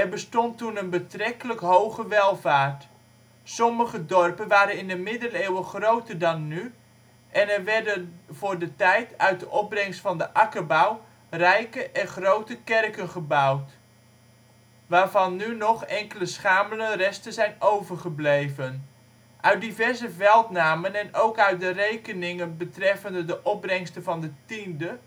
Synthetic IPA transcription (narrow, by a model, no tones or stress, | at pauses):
ɛrbəstɔntunənbətrɛkələkɦowχəʋɛlˠvaːrt | sɔməχədɔrpənʋaːɾənɪndəmɪdəleːwəχrowtərdɑnːy | ʔɛnɛrʋɛɹdənvʊːɹdətɛjtœɥt̚dəʔɔp̚brɛŋstfɑndəʔɑkəbaw | rɛjkəʔɛnχrowtəkɛrkənχəbʌwt | ʋaːɹvɑnːynɔχɛŋkələsχaːmələnrɛstəzɛjnowvəɹχəblejvən | ʔœɥt̚divɛɹzəvɛlˠtnaːmənɛnowkœɥt̚dərejkənɪŋənbətrɛfəndədəʔɔb̚brɛŋstəvɑndətində